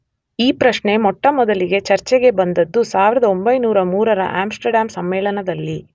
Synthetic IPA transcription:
iːpɾɐʃɳe̞mɔʈːɐmɔd̪ɐliɡe̞t͡ʃɐɾt͡ʃɛɡe̞bɐnd̪ɐd̪ːusaːʋiɾɐd̪ɐombɐjnuːɾɐmuːɾɐɾɐ̰ʔaːmsʈɐɾɖaːmsɐmːɛːɭɐnɐd̪ɐlːi

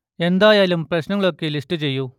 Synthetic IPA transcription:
e̞nd̪aːjaːlumprɐɕnɐŋːɐɭokːelisʈɨt͡ɕe̞jːu

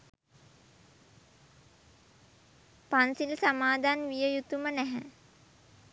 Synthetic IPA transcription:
pansilsamaːd̪ʱanʋijəjut̪umənɛɦɛ̰

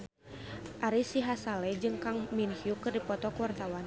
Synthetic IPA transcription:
ʔaɾisiɦasalɛd͡ʒɨŋkaŋminhiukɨrdipɔt̪ɔkuwart̪awan

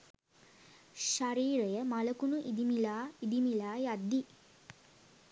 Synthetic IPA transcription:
ʃaɾiːɾəjəmaləkunuʔid̪imilaːid̪imilaːjad̪ːi

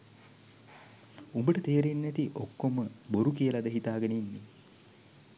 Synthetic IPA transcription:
umbəʈət̪eːɾenːæt̪iʔokːoməboɾukijəlad̪əɦit̪aːɡɐneinːi

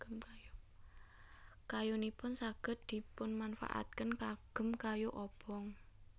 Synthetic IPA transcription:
mj | kajunipʊnsaɡ̥ə̤t̪̚d̪̥i̤pʊnmanfa̰ʔa̰t̪̚kənkaɡ̥ə̤mkajuʔɔb̥ɔŋ

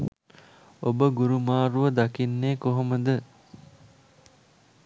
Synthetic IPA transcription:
obəɡuɾumaːɾuʋəd̪akinːeːkoɦoməd̪ə

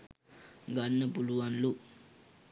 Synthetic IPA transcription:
ɡɐnːɐpuluʋɐnlu

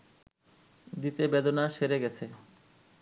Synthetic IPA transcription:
d̪it̪ebed̪onaʃeɾeɡɛt͡ɕʰe

